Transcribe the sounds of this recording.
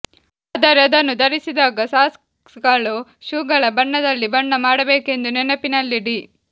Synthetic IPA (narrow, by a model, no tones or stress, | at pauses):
ɐd̪ɐɾɛɐd̪ɐnːud̪ɐɾisid̪aːɡɐsaːs | sɡaɭuʃuːɡɐɭɐbɐɳːɐd̪ɐlːibɐɳːɐmaːɽɐbeːke̞nd̪unɛnɐpinɐlːiɽi